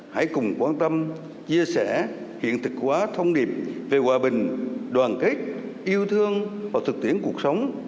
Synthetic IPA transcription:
ha̰˧˩jkʊ˨˩ŋ͡mkwaː˧nt̪ə˧m | t͡ɕi˧əsɛ˧˩ | hḭ˧˨ənt̪ʰɨ˨˩k̚kːwaː˨˦t̪ʰə˧wŋ͡mɗi˨˩p̚ve˨˩kwaː˨˩ɓï˨˩ŋ̟ɗwaː˨˩nkə˦˥k̟̚ʔi˧əwt̪ʰɨ˧əŋvaː˨˩wt̪ʰɨ˨˩k̚t̪i˧˩ənku˨˩ək̚sə˨˦wŋ͡m

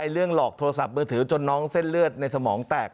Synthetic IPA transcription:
a˧jɾɯ˥˩əŋlɔː˨˩k̚t̪ʰoː˧a˧sa˨˩p̚mɯː˧t̪ʰɯː˩˦t͡ɕo˧nːɔː˦˥ŋse˥˩nlɯ˥˩ət̪̚na˧jsa˧mɔː˩˦ŋt̪ɛː˨˩k̚

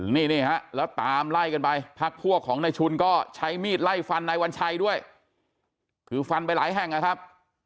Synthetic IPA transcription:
ɯ˨˩˦niː˥˩niː˥˩ha˦˥ʔlɛː˦˥wt̪aː˧mla˥˩jka˧npa˧jpʰa˦˥k̚pʰu˥˩ɐkʰːɔː˩˦ŋna˧jt͡ɕʰu˧nkɔː˥˩t͡ɕʰa˦˥jmiː˥˩t̪̚la˥˩jfa˧nːa˧jwa˧nt͡ɕʰa˧jdu˥˩əj | kʰɯː˨˩˦fa˧np̬a˧jlaː˩˦jɦɛ˨˩ŋna˦˩kʰa˦˥p̚

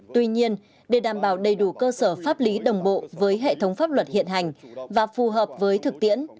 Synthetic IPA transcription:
t̪wi˧ɲi˧ən | ɗe˧˩ɗaː˧˩mɓaː˧˩wɗə˨˩jɗu˧˩kəː˧səː˧˩faː˦˥p̚li˨˦ɗə˨˩wŋ͡mɓo̰˧˨vəː˨˦jɦḛ˧˨t̪ʰə˨˦wŋ͡mfaː˦˥p̚lwə˨˩t̚hḭ˧˨ənɦa˨˩jŋ̟vaː˨˩fu˨˩ɦəː˨˩p̚vəː˨˦jt̪ʰɨ˨˩k̚t̪ḭ˧˥ən

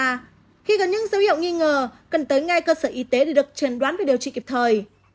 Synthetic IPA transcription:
xi˧ɣə˨˩nɲɨ̰˧˥ŋzə˨˦whi˧˨wŋi˧ŋəː˨˩kə˨˩nt̪əː˨˦jŋa˧jkəː˧səː˧˩ʔi˨˦t̪e˨˦ɗe˧˩ɗɨ˨˩ək̚t͡ɕe˨˩nɗwaː˨˦nvɗi˨˩əwt͡ɕḭ˧˨ki˨˩p̚t̪ʰəː˨˩j

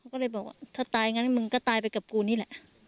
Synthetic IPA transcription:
kʰa˦˥wkɔː˥˩lɤ˧jbɔː˨˩k̚wa̰ː˧˩t̪ʰaː˥˩t̪aː˧jŋa˧˥nmɯ˧ŋkɔː˥˩t̪aː˧jpa˧jka˨˩p̚kuː˧niː˦˥˩lɛ˧˩ʔ

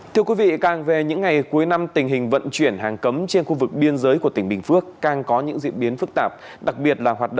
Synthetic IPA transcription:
t̪ʰɨ˧əkwi˨˦vḭ˧˨kaː˨˩ŋve˨˩ɲɨ̰˧˥ŋːa˨˩jku˨˦əjna˧mt̪ï˨˩ŋ̟ɦï˨˩ŋ̟və̰˧˨nt͡ɕwi˧˩ənɦaː˨˩ŋkə˨˦mt͡ɕe˧nxu˧vɨ˨˩k̚ɓi˧ənzəː˨˦jku˧˩ət̪ŋɓï˨˩ŋ̟fɨ˦˥ək̚ːaː˨˩ŋkɔ˨˦ɲɨ̰˧˥ŋzḭ˧˨ənɓi˨˦ənfɨ˦˥k̚t̪aː˨˩p̚ | ɗa˨˩k̚ɓi˨˩ət̚laː˨˩ɦwaː˨˩t̚ɗə̰˧

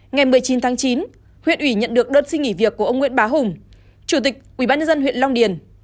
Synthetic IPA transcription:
ŋa˨˩jmɨ˨˩əjt͡ɕi˨˦nt̪ʰaː˨˦ŋt͡ɕi˨˦n | hwḭ˧˨ənʔwi˧˩ɲə̰˧˨nɗɨ˨˩ək̚ɗəː˧t̚sï˧ŋi˧˩vi˨˩əkːu˧˩əʔə˧wŋ͡mŋwi˧˥ɓaː˨˦ɦʊ˨˩ŋ͡m | t͡ɕu˧˩t̪ï˨˩k̚ʔwi˧˩ɓaː˧nɲə˧nzə˧nɦw̰nlɔ˧wŋ͡mɗi˧˩ən

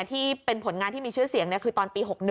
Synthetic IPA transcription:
t̪ʰiː˥˩pe˧npʰo˨˩˦nŋaː˧nt̪ʰiː˥˩miː˧t͡ɕʰɯ˥˩ɐsi˨˩˦əŋni˦˥kʰɯː˧t̪ɔː˧npiː˧ɦo˨˩k̚n˩

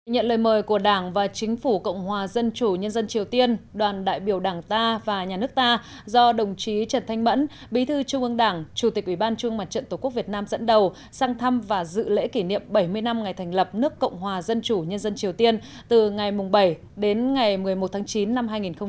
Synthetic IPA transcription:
ɲə̰˧˨nləː˨˩jməː˨˩jku˧˩əɗaː˧˩ŋvaː˨˩t͡ɕï˨˦ŋ̟fu˧˩kə̰˧˨wŋ͡mhwaː˨˩zə˧nt͡ɕu˧˩ɲə˧nzə˧nt͡ɕi˨˩əwt̪i˧ənɗwaː˨˩nɗa̰ː˧˨jɓi˧˩əwɗaː˧˩ŋt̪aː˧vaː˨˩ɲaː˨˩nɨ˦˥ək̚t̪aː˧ | zɔ˧ɗə˨˩wŋ͡mt͡ɕi˨˦t͡ɕə˧˩nt̪ʰa˧jŋmə̰˧˥n | ɓi˨˦t̪ʰɨ˧t͡ɕʊ˧ŋ͡mʔɨ˧əŋɗaː˧˩ŋt͡ɕu˧˩t̪i˨˩k̚ʔwi˧˩ɓaː˧nt͡ɕəŋma˨˩t̚t͡ɕə̰˧˨nt̪o˧˩ku˦˥ək̚vi˨˩ət̚naː˧mzə̰˧˥nɗə˨˩w | saː˧ŋt̪ʰa˧mvaː˨˩zɨ̰˧˨lḛ˧˥ki˧˩nḭ˧˨əmɓə˧˩jmɨ˧əjna˧mŋa˨˩jt̪ʰŋ̟lə˨˩p̚nɨ˦˥əkːə̰˧˨wŋ͡mɦwaː˨˩zə˧nt͡ɕu˧˩ɲə˧nzə˧nt͡ɕi˨˩əwt̪i˧ən | t̪ɨ˨˩ŋa˨˩jmʊ˨˩ŋ͡mɓə˧˩j | ɗe˨˦nŋa˨˩jmɨ˨˩əjmo˨˩t̪̚ʰaː˨˦ŋt͡ɕi˨˦nːa˧mɦaː˧jŋi˨˩nxə˧ŋ͡m

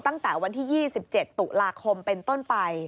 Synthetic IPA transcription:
t̪a˥˩ŋt̪ɛː˩˦wa˧nt̪ʰiː˥˩jiː˥˩si˨˩p̚t͡ɕe˨˩t̪ːu˨˩ʔlaː˧kʰo˧mpe˧nt̪o˥˩npa˧j

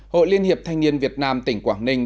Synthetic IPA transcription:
ho̰˧˨jli˧ənhi˨˩əp̚t̪ʰa˧jŋ̟ni˧ənvi˨˩ət̚naː˧mt̪ï˧˩ŋ̟kwaː˧˩ŋnï˧ŋ̟

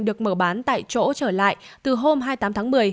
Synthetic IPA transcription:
ɗɨ˨˩ək̚məː˧˩ɓaː˨˦nt̪a̰ː˧˨jt͡ɕo̰˧˥t͡ɕəː˧˩la̰ː˧˨jt̪ɨ˨˩ɦo˧mɦaː˧jt̪aː˨˦t̪ʰːŋmɨ˨˩əj

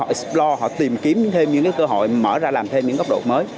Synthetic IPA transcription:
ɔ̰˧˨˦splɔ˧hɔ̰˧˨t̪i˨˩mki˨˦əmɲɨ̰˧˥ŋt̪ʰe˧mɲɨ̰˧˥ŋkaː˨˦jkəː˧ɦo̰˧˨jməː˧˩zaː˧laː˨˩mt̪ʰe˧mɲɨ̰˧˥ŋə˦˥k͡p̚ɗo̰˨˩məː˨˦j

